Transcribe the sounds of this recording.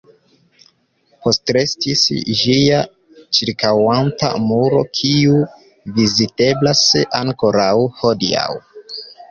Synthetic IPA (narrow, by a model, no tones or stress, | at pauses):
po̞stɾe̞stisʒia | t͡ʃiɾkawanta̰muɾo̞̰kʰiu | vizite̞blasaŋkoɾawho̞dḭa̰w